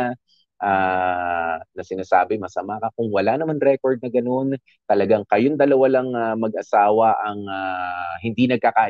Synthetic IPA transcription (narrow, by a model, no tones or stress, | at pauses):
ʔaː | nɐsɪnaːsa̰ːbɪmɐsɐmakɐkʊŋwɐlanɐmanɾɛkoɹd̪̚nɐɡɐno̞n | t̪ɐlɐɡaŋkɐjond̪ɐlɐwalaŋamɐɡ̚ʔɐsaːwɐʔɐŋaɦɪnd̪inɐɡ̚kɐkaː